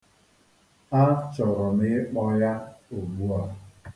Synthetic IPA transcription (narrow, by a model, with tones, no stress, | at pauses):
a˦t͡ʃɔ˨ɾɔ˨mɪ˦k͡pɔ˦ja˦o˨ɡ͡bu˦a˦